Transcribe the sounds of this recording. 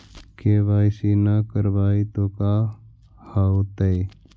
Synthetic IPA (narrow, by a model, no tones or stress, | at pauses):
kebaːjsinakəɾbaːit̪oːkaː | haːot̪e